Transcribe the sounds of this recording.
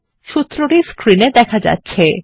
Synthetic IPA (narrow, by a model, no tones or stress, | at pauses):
ʃut̪ːɾoʈiskɾined̪ɛkʰad͡ʑa̰tːɕʰe